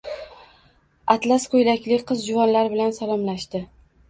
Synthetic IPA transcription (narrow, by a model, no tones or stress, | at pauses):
at̪lasqʰʊjlakʲlɪqʰɨzd͡ʒʊvɒnlaɾɪbɪlansalˠɒmlaʃt̪ɪ